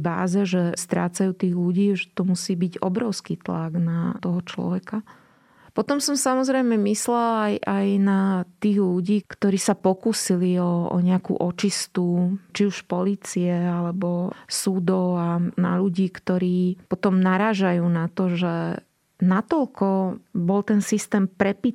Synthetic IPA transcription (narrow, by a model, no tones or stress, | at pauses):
ba̰ːzɛʒɛst̪ɾa̰ːt͡sajuːt̪iːɣluɟiːʒɛt̪ɔmusiːbiɟɔ̰bɾɔʊskiːt̪laɡnat̪ɔɦɔt͡ʃlɔ̰ʋɛka | pɔt̪ɔmsɔmsamɔzɾɛjmɛmislɛlajʔajnat̪iːɣluɟiːkt̪ɔɾiːsapɔkusiliɔɔ̰ɲɛakṵːʔɔt͡ʃist̪ut͡ʃiuʃpɔliːt͡siɛalɛbɔsud̪ɔʊana̰ʎuɟiːkt̪ɔɾiːpɔt̪ɔmnaɾaːʒajuːnat̪ɔʒɛ | nat̪ɔlkɔbɔlt̪ɛnsist̪ɛːmpɾɛpi